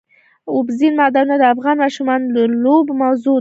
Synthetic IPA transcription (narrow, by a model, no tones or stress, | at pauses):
ʊbzinmad̪anad̪əafɣɑnmɑʃumɑnləlobmawzu